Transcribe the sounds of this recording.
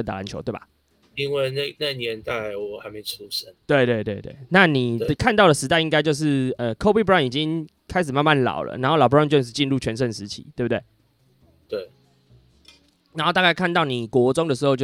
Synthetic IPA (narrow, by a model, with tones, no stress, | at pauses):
ə˥nt̪a̰˨˩a˨˦nt͡ɕʰo˧˦t̪we˥˩ba̰˨˩ | i˦nwe˥˩ɪna˥˨˧na˥˨njɛ˧˦nt̪a˥˧˥ɪ˨˧wɔ˨˩ha˧˦ɪme˧˥˨ʈ͡ʂʰu˦sə˦nt̪we˥˧ɪt̪we˥˧t̪we˥˧ɪt̪we˥˩ɪna˥˨ni˨˩ə˨kʰa˥˧nt̪̬ɑ˥˩ʊlə˩ʂɻ̩˧˥t̪a˥˧ɪi˦ŋka˥ɪt͡ɕjo˥˧ʊʂ̬ɻ̩˥˩ə˨kʰo˥ʊpi˥˩pa˥˩ni˨˩t͡ɕi˦ŋ | kʰa˥ɪʂ̬ɻ̩˨˩ma˥˧nma˥˨nlɑ̰˨˩ʊlə̰˩˦na˨˦nxo˥˩lɑ˨˩pːt͡ɕo˥˧˥ʂ̬̩˥˧t͡ɕi˥˧nɻu˥˩t͡ɕʰɥɛ˧˥nʂ̬ə˥˩nʂɻ̩˧˦t̪ʰḭ˨˩˦t̪we˥˩bu˩t̪we˥˩ɪ | t̪we˥˩ɪ | na˨nxo˥˧t̪a˥˧ka˥˩ɪkʰa˥˧nt̪ɑ˥˩ʊni˨˩kwɔ˧˥ʈ͡ʂʊ˥ŋd̪ə˨ʂɻ̩˧˥xo˥˧ʊt͡ɕo˥˧˩